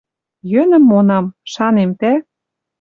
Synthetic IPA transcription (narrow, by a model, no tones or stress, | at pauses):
jønə̆mːonɑmʃɑnemt̪æ